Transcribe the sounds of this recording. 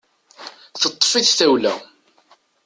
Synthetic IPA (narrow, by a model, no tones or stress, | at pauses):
θət̪ˤːfiθθæwlæ̰